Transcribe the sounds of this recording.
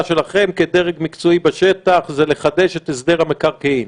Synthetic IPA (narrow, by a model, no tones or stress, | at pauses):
ʃelaχe̞mked̪eʁeɡmikt͡soibeʃet̪aχzele̞χad̪e̞ʃet̪esd̪eʁhamekaʁkeim